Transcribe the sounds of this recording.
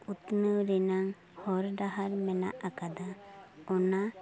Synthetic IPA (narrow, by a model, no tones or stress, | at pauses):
ut̪nəwɾɛnaŋ | hɔɾd̪aɦaɾmɛna̰ʔakad̪aɔna